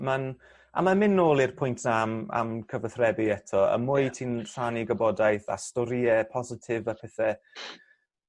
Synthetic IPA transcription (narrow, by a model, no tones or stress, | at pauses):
man | a̰mamɪnːoːlˠirpʰʊjntʰnama̰mkʰəvəθrɛbiɛtʰɔə̰mʊɨtʰiːnr̥aniɡəbɔdajθa̰stɔɾiɛpʰɔzɪtʰɪvapʰɛθɛ